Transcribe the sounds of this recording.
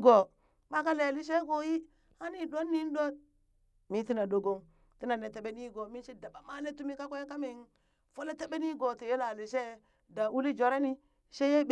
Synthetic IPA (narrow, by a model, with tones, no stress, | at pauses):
ɡo˨ | ba˦ka˦le˨li˦ʃ̬e˦ko˦ji˦ | a˦ni˨do˦nːi˦n˦do˦t̚ | mi˦ti˦na˨do˨ɡo˦ŋ | ti˦na˨ne˨te˨be˦ni˦ɡo˨mi˦ʃi˦da˨ba˨ma˦le˦tu˦mi˦ka˦kʷe˦ka˦mi˨ŋ | fo˦le˦te˦be˦ni˦ɡo˨ti˨je˦la˨li˨ʃe˦˨ | da˨wu˦li˦d͡ʒo˨ɾe˦ni˦ | ʃe˦je˦b